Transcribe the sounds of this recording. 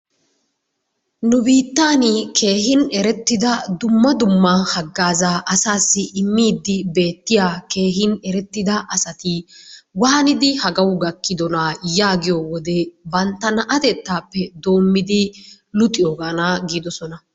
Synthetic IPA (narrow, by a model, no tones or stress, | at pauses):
nʊbiːt̪ːaːnɪkʰe̞ːɦɪnɛɾɛt̪ːɪd̪ɐd̪ʊmːɐd̪ʊmːɐhɐɡːaːzaːʔɐsaːsːɪʔɪmːiːd̪ːɪbe̞ːt̪ːɪjaːke̞ːɦɪnɛɾɛt̪ːɪd̪ɐʔɐsɐt̪ɪwɐːnɪd̪ɪhɐɡɐwʊɡɐkːɪd̪ɔnajaːɡɪjowɔd̪ɛbɐnt̪ːɐnɐʔɐt̪ɛt̪ːaːpːɛd̪o̞ːmːɪd̪ɪ | lʊt̪ʼːɪjoːɡaːnaɡiːd̪ɔsɔnɐ